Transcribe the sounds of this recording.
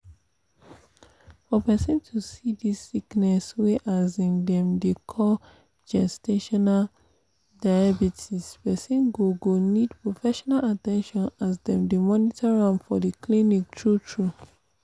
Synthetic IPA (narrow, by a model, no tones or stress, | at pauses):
fɔpɛsɔ̃ntʰusidisːiknɛsweʔazĩŋdɛ̃mdekʰɔ | d͡ʒɛsteʃɔnal | daɪabitʰispɛsĩnɡoɡonidpɹofɛʃɔnalatɛ̃nʃɔ̃nasdɛ̃mdəmɔnitʰaɹãmfɔdəklinik̚tʰɹutʰɹu